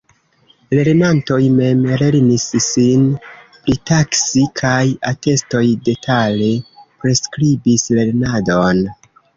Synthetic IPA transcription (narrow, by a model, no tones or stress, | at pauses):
le̞ɾnanto̞jme̞mle̞ɾnisːinpɾitaksikʰajate̞sto̞jde̞tʰale̞pɾe̞skɾibisle̞ɾnado̞n